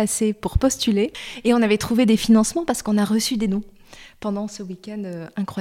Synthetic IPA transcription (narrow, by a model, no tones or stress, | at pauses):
asepuʁpɔst̪yleeɔ̃navɛt̪χuved̪efinɑ̃smɑ̃paʁsə̥kɔ̃naʁəsyd̪enɔ̃ | pɑ̃d̪ɑ̃səwikʲɛ̃nd̪øɛ̃kχwa